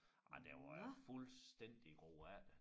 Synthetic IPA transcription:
ʔɑɪd̥eʋɑjfulsd̥en̰d̥iɡ̥o̝̰ːæl

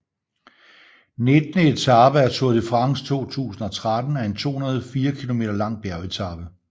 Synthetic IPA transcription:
ne̝d̥nəe̝t͡sʰɑ̈b̥əæɐt͡sʰoɐðˠəfʁɑ̈ŋst͡sʰo̝̰ːt͡sʰṵːsn̩ɒ̽t͡sʰʁad̥n̩æɐe̝nt͡sʰo̝̰ːhunɐð̞̩ˠfiːɐkʰilo̝me̝̰ːd̥ɐlɑ̈ŋ̰b̥æɐe̝t͡sʰɑ̈b̥ə

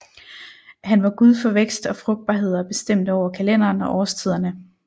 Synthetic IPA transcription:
hænʋɑ̈ɡ̥uð̞ˠfɒ̽ʋeɡ̥sd̥ɒ̽fʁɔ̽ɡ̥̚d̚b̥ɑ̈ːɦe̝ð̞̰ˠɐɒb̥e̝sd̥em̰d̥əɒʊ̰ɐkʰælen̰ɐːnɒ̽ʔɒːst͡sʰið̰ˠɐnə

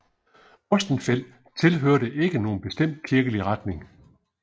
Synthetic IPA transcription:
ɔ̽sd̥n̩fel̰ | t͡sʰe̝lɦøɐɾəʔe̝ɡ̥əno̝ːn̩b̥e̝sd̥em̰d̥̚kʰiɐɡ̥əliʁad̥ne̝ŋ

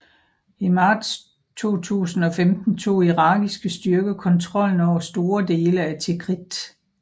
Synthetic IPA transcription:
imɑ̈ːd̥s | t͡sʰo̝̰ːt͡sʰṵːsn̩ɒ̽femd̥n̩t͡sʰo̝̰ːiʁɑ̈ːɡ̥isɡ̥əsd̥yɐɡ̥əkʰɒ̽nt͡sʰʁɒ̽l̰n̩ɒʊ̰ɐsd̥o̝ːɐd̥e̝ːləæt͡sʰeɡ̥ʰʁid̥

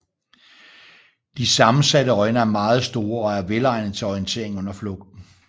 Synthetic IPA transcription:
d̥isɑ̈mn̩sæɾəɒ̽ɪnɐæɐmɑ̈ːð̞̩ˠsd̥o̝ːɐɒ̽æɐʋelɑ̈ɪnð̩ˠt͡sʰe̝ɒʁiənt͡sʰe̝̰ɐ̰eŋɔ̽n̰ɐflɔ̽ɡ̥̚d̥n̩

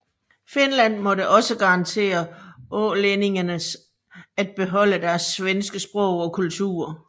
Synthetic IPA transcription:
fe̝nlæn̰mɒ̽ɾəʔɒ̽səɡ̥ɑ̈ʁɑ̈nt͡sʰe̝̰ːɐɔlene̝ŋɐnəs | æd̥̚b̥e̝ɦɒ̽l̰əd̥æɐsʋensɡ̥əsb̥ʁɔ̽ʊ̰ɒ̽kʰult͡sʰṵːɐ

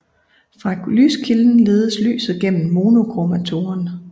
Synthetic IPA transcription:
fʁɑ̈ly̰ːskʰiln̩le̝ːð̞ˠəsly̰ːsð̩ˠɡ̥en̰m̩mo̝ːno̝ɡ̥ʁomæt͡sʰo̝ɐn

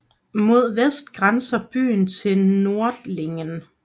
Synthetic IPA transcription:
mo̝ð̞̰ˠʋesd̥ɡ̥ʁansɐb̥y̰ːnt͡sʰe̝lno̝ɐd̥le̝ŋən

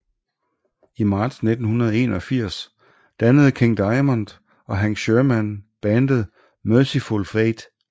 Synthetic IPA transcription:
imɑ̈ːd̥sne̝d̥n̩hunɐðˠe̝̰ːnɒ̽fiɐ̰s | d̥ænəð̞̩ˠkʰe̝ŋd̥ɑ̈ɪmund̥ | ɒ̽ɦænsɕøɐmænb̥ænd̥əð̩ˠ | mœsifolfʁed̥

